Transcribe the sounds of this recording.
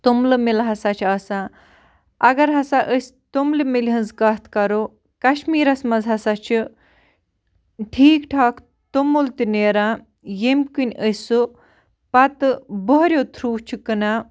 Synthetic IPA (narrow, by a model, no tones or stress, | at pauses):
t̪umlɨmilɦɐsat͡ʃʰaːsãː | ɐɡɐɾɦɐsaʔəsʲt̪umlɨmilʲɦənzkɐt̪ʰkɐɾoː | kɐʃmiːɾɐsmɐzɦɐsat͡ʃʰu | ʈʰiːkʈʰaːkʰ | t̪umult̪ineːɾãː | jemʲkɨnʲəsu | pɐt̪ɨbəɦɾʲjoːt̪ʰɾuːt͡ʃʰukɨnaː